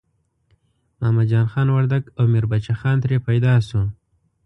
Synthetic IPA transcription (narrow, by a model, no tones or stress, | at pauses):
mɑːmad͡ʒɑːnxɑnwaɾd̪aɡawmeɾbat͡ʃaxɑnt̪ɾepajd̪ɑsu